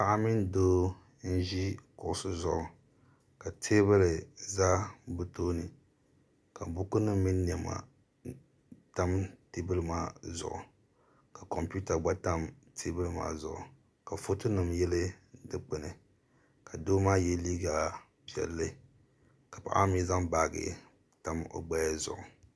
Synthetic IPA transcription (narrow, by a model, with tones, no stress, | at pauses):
pa˨ʔa˦mi˦ndoː˦ | n̩˦ʒi˦kʊ˨ʔʊ˨˦sɨ˦zʊ˨ʔʊ˨ | ka˨tʰe˦bɨ˦lɨ˨za˦bɨ˦toː˦nɨ˨ | ka˨bu˦ku˦nɨ˦mː˦i˦n˦ni˨ɛ˨ma̰˨ | ta˦mte˦bɨ˦lɨ˦maː˦zʊ̰˨ʔʊ˨ | ka˨kɔ˨mpu˦ta˨ɡ͡ba˦ta˦m | tʰe˦bɨ˦lɨ˦ma̰ː˦zʊ̰˨ʔʊ˨ | ka˨fo˦tɨ˦nɨ˨mjɛ˦lɨ˦dɨ˦k͡pɨ˨nɨ˨ | ka˨doː˦maː˦jɛ˦liː˦ɡa˨ | pi˨ɛ̰˨lːɨ˦ | ka˨pa̰˨ʔa˦mi˦za˦ŋbaː˨ɡɨ̰˨ | ta˦mo̰˦ɡ͡ba˦ja˦zʊ̰˨ʔʊ˨